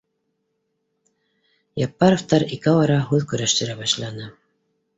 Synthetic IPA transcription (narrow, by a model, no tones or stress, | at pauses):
jɑpːɑɾoft̪ɑɾikɘwɑɾɑɦʉðkɵ̆ɾæʃt̪ɘ̆ɾæbɑʃlˠɑnɤ